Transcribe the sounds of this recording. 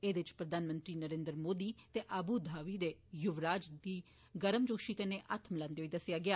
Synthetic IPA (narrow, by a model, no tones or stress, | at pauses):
eːd̪eɪt͡ʃpɾəd̪aːnmə̃nt̪ɾiːnəɾẽːnd̪əɾmoːd̪iːt̪eːʔabuːd̪ʱaːʋiːd̪eːjʊʋɾaːd͡ʒd̪iː | ɡəɾəmd͡ʒoːʃiːkəneːʔat̪ʰməlãːnd̪eɦoiːd̪əsɪjaːɡɪaː